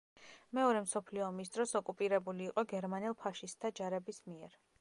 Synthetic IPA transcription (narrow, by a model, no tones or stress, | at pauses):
mɛɔɾɛmsɔpʰliɔːmis̬d̪̥ɾɔsɔkʼupʼiɾɛbuliːqʼɔɡɛɾmanɛlˠpʰaʃist̪ʰːad͡ʒaɾɛbismiɛɾ